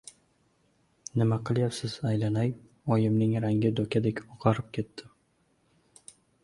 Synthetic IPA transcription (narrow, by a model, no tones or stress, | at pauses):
nɪmaqʰɨlˠjapsɪz̥ajlanaj | ɒjɪmnɪŋɾaŋɡʲɪd̪okʲʰad̪ekʲoqʰɑɾɪp̚kʲʰe̞t̪ːɪ